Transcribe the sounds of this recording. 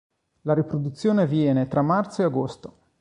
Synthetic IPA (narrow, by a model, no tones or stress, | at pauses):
laɾipɾod̪ut̪sːjoːnevjɛːnet̪ɾʔamːart̪soeaɡost̪o